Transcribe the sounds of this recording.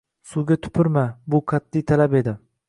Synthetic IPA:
suɡʲat̪ʰʊ̥pʰɪɾmabʊqʰat̪ːijt̪ʰalape̞d̪ɪ

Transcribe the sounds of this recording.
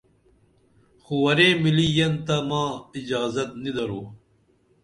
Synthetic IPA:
xuwɐɾẽːmilijɐnt̪ɐmãːid͡ʑɑːzɐt̪̚nid̪ɐɾoː

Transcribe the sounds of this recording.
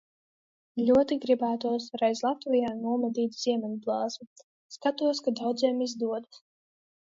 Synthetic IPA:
lʲuɔt̪iɡɾibæːt̪uɔsɾajzlˠat̪vʲijaːnuɔmad̪iːt̪ʲz̥ʲiɛmʲɛnblˠɑːzmu | skat̪uɔskad̪awd̪ziɛːmizd̪uɔd̪

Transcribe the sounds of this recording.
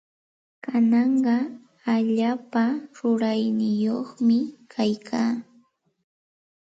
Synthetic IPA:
kanɑɴɢɑ | aʎaːpaɾʊɾajnɪjoχmɪkʰajkʰaː

